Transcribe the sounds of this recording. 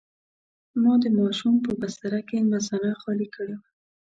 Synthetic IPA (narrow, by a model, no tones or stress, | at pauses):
mɑd̪əmɑʃumpəbast̪aɾakemazanaxɑlikʰəɽewa